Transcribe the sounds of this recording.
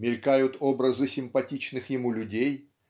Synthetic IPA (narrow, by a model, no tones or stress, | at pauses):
mʲɪlʲkajʊt̪o̞bɾəzɨsʲɪmpɐtʲit͡ɕnɨxjɪmulʲʊdʲej